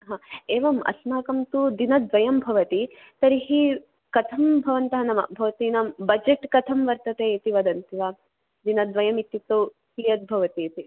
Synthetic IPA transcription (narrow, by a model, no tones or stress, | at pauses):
ɦãːeːʋɐmɐ̰snaːkɐmt̪ud̪inɐd̪ʋɐjɐmbʱɐʋɐt̪i | t̪ɐɾiɦi | kɐt̪ʰɐmbʱɐʋɐnt̪ɐɦɐnɐmɐ̰bʱɐʋɐt̪iːnɐmbɐd͡ʒeʈkɐt̪ʰɐmʋɐɾt̪ɐt̪eːt̪iʋɐd̪ɐnt̪iʋaː | d̪inɐd̪ʋɐjɐmit̪jit̪ːo | hijɐt̪̚bʱɐʋɐt̪iːt̪i